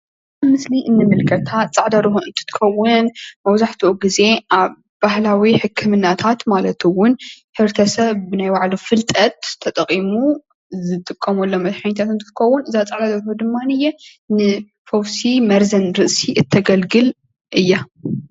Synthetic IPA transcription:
mɨsliʔɨnːɨmɨlkʰɐt̪ʰat̪t͡sʼaʕd̪ɐɾɨhuʔɨnt̪ʰɨ̥t̪ʰɨ̥xɐwʊnmɐwzaħt̪ʰuʔoɡize̞ʔaβ | bahlawiħɨkʰːɨmɨnːat̪ʰat̪malɐt̪ʰɨwʊn | ħɨɾt̪ʰɐsɐβːɨnajwaʕlufɨlt̪ʼɐt̪ʰːɐt̪ʼɐqʼimu | zɨt̪ʼɨkʼːɐmolːomɐt̪ħaɲt̪ʰat̪ɨnt̪ʰɨ̥t̪ɨxɐwːʊnɨzat͡sʼaʕd̪ad̪ɐɾɨhud̪ɨmːanɨjːɛ | nɨ | fowsimɐɾzɐnɾɨʔsiʔɨt̪ʰːɐɡɐlɡɨl | ʔɨjːa

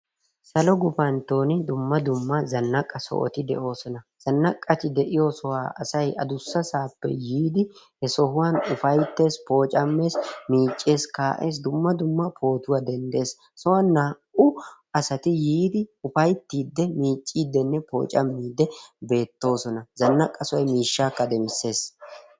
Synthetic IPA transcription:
sɐlɔɡʊfɐnt̪o̞ːnɪd̪ʊmːɐd̪ʊmːɐzɐnːɐkʼːɐsɔ̰ʔɔ̰t̪ɪd̪ɛ̰ʔo̞ːsɔnɐz̥ɐnːɐkʼːɐt̪ɪd̪ɛʔɪjɔsɔwaːʔɐsɐjʔɐd̪ʊsːɐsaːpːɛ̰jiːd̪ɪ | hɛsɔhʊwaːnʊfɐjt̪ːe̞ːspo̞ːt͡ʃʼɐmːe̞ːsmiːt͡ʃʼːe̞ːskaːʔe̞ːs̬d̪ʊmːɐd̪ʊmːɐpʰo̞ːt̪ʊwaːd̪ɛnd̪e̞ːs | sɔwɐnːaː | ʊ | ɐsɐt̪ɪjiːd̪ɪʊfɐjt̪ːiːd̪ːɛmiːt͡ʃʼːiːd̪ːɛnːɛpo̞̰ːt͡ʃʼɐ̰mːiːd̪ɛbe̞ːt̪ːo̞ːsɔnɐzɐnːɐkʼːɐsɔjmiːʃːaːkːɐd̪ɛmɪsːe̞ːs

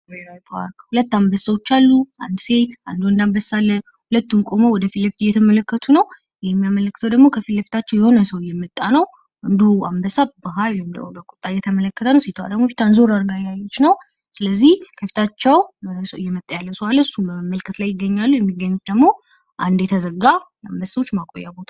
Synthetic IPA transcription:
meɾapʰa̰ɾkhulət̪ːambəsːəwot͡ʃːalːuʔa̰nd̪se̞t̪a̰nd̪uɨnd̪ambəsːalːə | hulət̪ːunkʼo̞mowɔd̪əfiləft̪ɨjːɛt̪ʰəmələkːət̪ʰunəw | jɛmːijamələkːɨt̪ʰəwd̪əɡmo̞kʰəfilːəft̪ʰat͡ʃːɛwjɛho̞nəsəwɨjːɛmːət̪ʼːanəw | ʔɨnd̪uambəsabəɦajlmd̪ə̰bəkʷʼu̥t̪ʼːajɛt̪ʰəmələkːət̪ʰənəwset̪ʰwa̰d̪əɡmofit̪ʰanzo̞ɾaɾɡajajo̞t͡ʃːnəw | sɨləzːihkʰəfi̥t̪ʰat͡ʃːɛwsəwɨjːɛmət̪ʼːəjalːəsəwaləsːubəmːəlkʰət̪lajːɪɡːəɲːalːujɛmːiɡːəɲːut̪̚d̪əɡmo̞ | ʔand̪jɛt̪ʰəzəɡaja̰mbəssəwot͡ʃːmakʼojːabo̞t̪ʰa

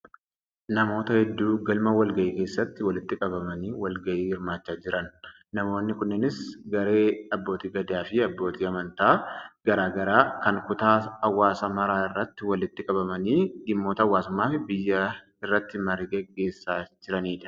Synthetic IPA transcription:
nɐmo̞ːt̪ɐhɛd̪ːuːɡɐlmɐwɐlɡɐʔiːke̞ːsːɐt̪ːɪwɐlɪt̪ːɪkʼɐbɐmɐniːwɐlɡɐʔiːhɪɾmaːt͡ʃːaːd͡ʒɪɾɐnː | ɐmo̞ːnːɪkʊnːɪnɪsɡɐɾe̞ːɐbːo̞ːt̪iːɡɐd̪aːfɪɐbːo̞ːt̪ʰiːɐmɐnt̪aːɡ̥ɐɾaːɡɐɾaːkɐŋkʊt̪aːɐwːaːsɐmɐɾaːɪrːɐt̪ːɪwɐlɪt̪ːɪkʼɐbɐmɐniːɡɪmːo̞ːt̪ɐɐwːaːsʊmːaːfɪbɪjːɐ | ɪrːɐt̪ːɪmɐriɡɛɡːe̞ːsːaːd͡ʒɪɾɐniːᶑ̪ɐ̥

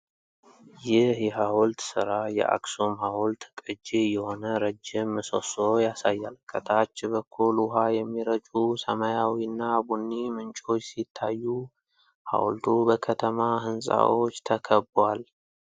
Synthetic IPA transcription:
jɪhjɛɦawɔlt̪sɨɾajɛ̰ʔa̰ksomhawlt̪kʼɨd͡ʒijɛho̞nəɾəd͡ʒːɪmːɨso̰sojasajːalkʰʼət̪ʰat͡ʃːbəkʰːulʊɦajɛmːiɾəd͡ʒʼusəmajawiɨnːabunːimɨnt͡ʃʼo̞t͡ʃːsit̪ʰːajːu | ha̰w̰lt̪ʰubəkʰət̪ʰəmahɨnsʼa̰wʔot͡ʃːt̪ʰəkʰəbwal

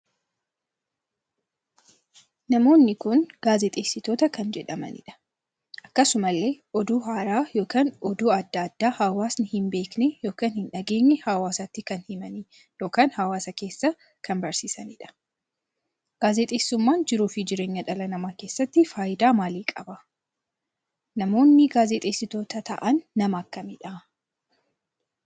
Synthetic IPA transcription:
nɐmo̞ːnːɪkʊnɡ̥aːzɛt̪ʼeːsːɪt̪o̞ːt̪ɐkɐnd͡ʒɛᶑɐmɐ̰nɪ̰ᶑɐ̥ | ʔɐkːɐsʊmɐlːe̞ːʔɔd̪uːɦaːɾaːjo̞ːkaːnɔd̪uːɐd̪ːɐɐd̪ːaːhaːwaːsnɪhɪmbe̞ːknɛjo̞ːkaːnhɪnᶑɐɡe̞ːɲːɛhaːwaːsaːt̪ːɪkɐnhɪmɐni | jo̞ːkaːnhɐwaːsɐke̞ːsːɐ | kʰɐnbɐɾsiːsɐniːᶑɐ̥ | ɡ̥aːzɛt̪ʼeːsːʊmːaːnd͡ʒɪɾuːfɪd͡ʒɪɾe̞ːɲːɐᶑɐlɐnɐmaːke̞ːsːɐt̪ːɪfaːjɪd̪aːmaːliːkʼɐbɐ | nɐmo̞ːnːɪɡaːzɛt̪ʼe̞ːsːɪt̪o̞ːt̪ɐt̪ʰɐ̰ʔɐnːɐmɐːkːɐmɪᶑɐ

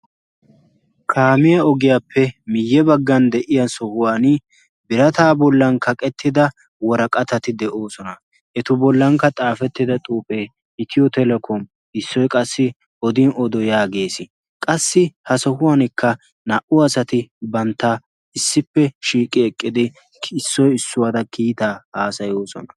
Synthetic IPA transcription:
kʰaːmɪjɐɔɡɪjaːpʰːɛmɪjːɛbɐɡːɐnd̪ɛʔɪjɐsɔhʊwaːn | bɪɾɐt̪aːbɔlːɐnkʰɐkʼɛt̪ːɪd̪ɐ | wɔɾɐkʼɐt̪ɐt̪ɪd̪ɛʔo̞ːsɔnɐ | ʔɛt̪ʊbɔlːɐŋkːɐt̪ʼaːfɛt̪ːɪd̪ɐt̪ʼuːpʼeː | ɪt̪ɪjɔt̪ɛlɛkʰɔm | ɪsːɔjkʼɐsːɪ | ʔɔd̪ɪnɔd̪ɔjaːɡe̞ːsɪ | kʼɐsːɪhɐsɔhʊwaːnɪkʰːɐ | nɐʔʊɐsɐt̪ɪbɐnt̪ːa | ɪsːɪpːɛʃiːkʼːɪɛkʼːɪd̪ɪ | ɪsːɔjɪsːʊwad̪ɐkʰiːt̪aːhaːsɐjo̞ːsɔ̰nɐ

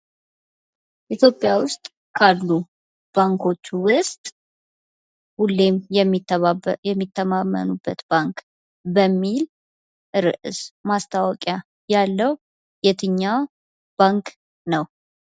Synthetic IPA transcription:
ʔit̪ʰjo̞pʼːjawʊst̪ʼ | kʰalːu | b̥aŋkʰo̞t͡ʃːwʊst̪ʼ | hulːe̞mjɛmːijɛmːit̪ʰːəmamːə̰nubːət̪b̥aŋk | bəmːil | ʔɨɾɨʔɨsmast̪ʰawɔkʼja | jalːəw | jɛt̪ʰɨɲːaw | b̥aŋk | nəw

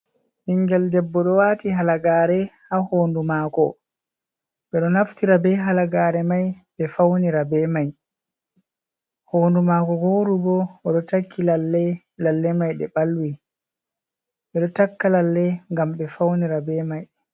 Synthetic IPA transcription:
ʔiŋɡɛldɛbːɔɗɔwaːtiɦalaɡaːɾɛhahoːndumakɔ̰ | ɓɛɗɔnaftiɾabɛɦalaɡaːɾɛmajɓɛfawniɾabɛmaj | hoːndumaːkɔɡoːɾubɔɔɗɔtakʰːilalːɛ | lalːɛmajɗɛɓalwi | ɓɛɗɔtakːalalːɛŋɡamɓɛfawniɾabɛmaj

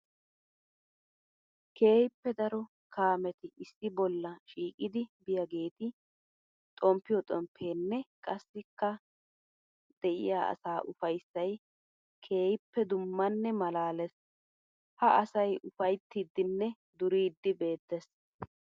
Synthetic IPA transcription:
ke̞ːjɪpːɛd̪ɐɾɔ | kʰaːmɛt̪ɪɪsːɪbɔlːɐʃiːkʼɪd̪ɪbɪjɐɡeːt̪ɪ | t̪ʼɔmpːɪjɔt̪ʼɔmpʰːe̞ːnːɛkʼɐsːɪkːɐ | d̪̥ɛʔɪ̰jaːɐ̰saːʔʊfɐjsːɐj | kʰe̞ːjɪpːɛd̪ʊmːɐnːɛmɐlaːlɛs | hɐʔɐsɐjʊfɐjt̪ːid̪ːɪnːɛ | d̪ʊɾiːd̪ːɪbe̞ːt̪ːɛs

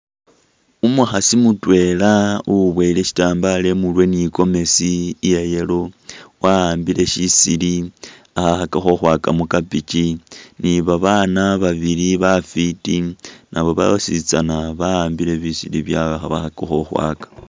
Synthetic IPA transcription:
umuxasimutwe̞lauβweile̞ʃi̥taːmbale̞mulwe̞niko̞me̞sijejelo̞waaːmbile̞ʃisili | axaxakaxoxwaːkamukapit͡ʃiniβaβanaβaβiliβafitinaβo̞βa̰osit͡sanaβaːmbile̞βisiliβjaβaxaβa̰xakaxoxwa̰kḁ

